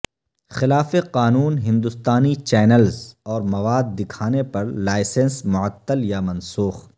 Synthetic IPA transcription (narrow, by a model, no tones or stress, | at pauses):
xɪlaːfeqaːnuːnɦɪ̃nd̪ʊst̪aːnit͡ʃɛːnəlzɔːɾmɐʋaːd̪ːɪkʰaːnepɐɾlaːɪsənsmʊʕət̪ːəljamɐ̃nsuːx